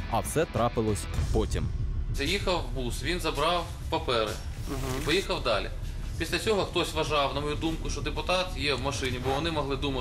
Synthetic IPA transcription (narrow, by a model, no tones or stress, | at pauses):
ɐwsɛt̪ɾɑpɪlˠɔsʲpɔtʲimzʲɐjixɐwbusʋʲinzɐbɾɑw | pɐpɛɾɪ̰ | ɦipɔjixɐwd̪ɑlʲḭ | pʲisʲlʲɐt͡sʲɔɦɔxt̪ɔsʲʋɐʒɑwnɐmɔjud̪umkʊʃt͡ʃɔd̪epʊt̪ɑt̪jɛwmɐʃɪnʲibɔʋɔnɪmɔɦlˠɪd̪umɐ